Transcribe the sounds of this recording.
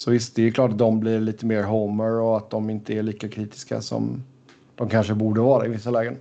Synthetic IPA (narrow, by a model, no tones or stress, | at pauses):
sɔvɪst̪̚d̪ɛɛklɑːʈat̪̚d̪ɔmblɪɾɭiːt̪əmeːɾɦoːməɾɔat̪̚d̪ɔmɪnt̪əæɭiːkakʰɾiːt̪ɪ̥ska̰sɔ̰m | d̪̥ɔmkʰanʂəbuːɖəvɑːɾaɪvɪsːalɛːɡən